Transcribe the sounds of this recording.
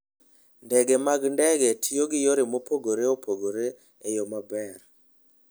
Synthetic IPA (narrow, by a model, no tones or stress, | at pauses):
ndɛɡɛmaɡndɛɡɛtʰijoɡɪjoɾemopoɡoɾeopʰoɡoɾe | ejomabɛɾ